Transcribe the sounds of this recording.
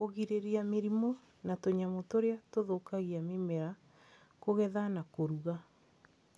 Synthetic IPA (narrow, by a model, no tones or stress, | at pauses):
oɣiɾeɾiameɾimo | natoɲamotoɾeatoðokaɣiamemɛɾa | koɣɛðanakoɾuɣa